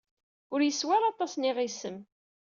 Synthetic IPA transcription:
ʊɾjəswaɾɑt̪ˤɑsniʁisəm

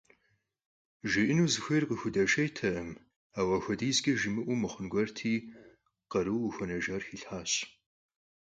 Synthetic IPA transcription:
ʒɪʔɪnuːzɨxʷejrqəxʷʊdɐʃɐjtʰɐʔɐm | aːwɐxʷɔdiːzɡʲɐʒɪmɨʔʷuːmɨχənɡʷɐrtʰiː | qɐɾɨwuxʷɐnɐʒɐrxiːɬħaːɕ

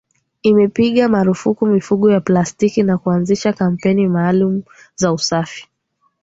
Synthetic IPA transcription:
imɛpiɠamaɾufukumifuɠɔjaplastikinakuanziʃakam̩pɛnimaːlumu | zausafi̥

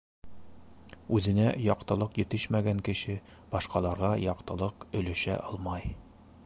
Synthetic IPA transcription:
ʉðɘ̆næjɒqt̪ɤ̆lˠɤqjɘ̆t̪ɘʃmæɡæŋkɘ̆ɕɘ | b̥ɒʃqɑlˠɑɾʁɑjɒqt̪ɤ̆lˠɤqɵ̆lɘ̆ʃæ̰ʔɒlˠmɑj

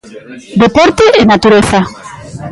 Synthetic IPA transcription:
d̪epɔɾt̪eːnat̪uɾeθa

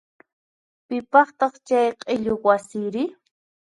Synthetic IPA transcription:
pɪpɑχt̪ɑχt͡ʃajqʼɪʎowasiːɾɪ

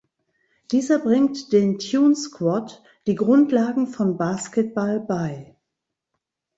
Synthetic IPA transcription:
d̥iːzɐbʁɪŋtd̥eːntʰjuːnskvɔt | d̥iːɡʁʊntlaːɡŋ̩fɔnbaːskɛt̚b̥albaɪ

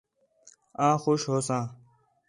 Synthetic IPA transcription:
ãːxoʃɦoːsãː

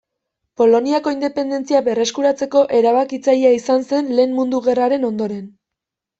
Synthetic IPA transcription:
po̞lo̞niako̞ind̪e̞pe̞nd̪e̞nt͡siaβe̞re̞skuɾat͡se̞ko̞ʔe̞ɾaβakit͡sajaisanse̞nle̞ːnmund̪uɣe̞raɾe̞no̞nd̪o̞ɾe̞n

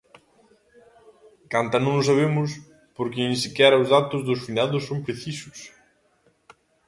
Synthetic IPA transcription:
kant̪ɐnõŋnʊs̬aβemʊs | poɾkɪẽnsikɛɾɐʊzðat̪ʊzðʊsfinaðʊsːõmpɾeθisʊs

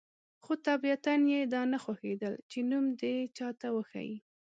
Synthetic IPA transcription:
xot̪abiat̪anjed̪ɑnaxwaxed̪əlt͡ʃenumd̪et͡ʃɑt̪awəxa̰jḭ

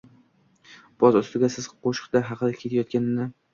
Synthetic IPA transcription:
b̥ɒzʊst̪ɪɡʲasɪz̥qʰoʃɪ̥qt̪aɦɑqʰɨlakʲʰːe̞t̪ʰajɒt̪̚kʲanɪnɪ

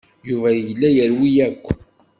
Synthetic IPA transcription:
juvæjlːæjəɾwijækʷː

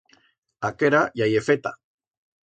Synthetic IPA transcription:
akeɾajajefet̪a̰

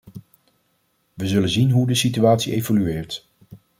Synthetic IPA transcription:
ʋəzɵlənzinɦudəsityaːtsiʔejvolyɪːɹt

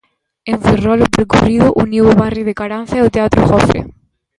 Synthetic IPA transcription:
ẽɱferɔlʊpɾkuriðʊʔuniwoβarjiðekaɾan̟θaot̪eat̪ɾʊ̰xɔfḛ

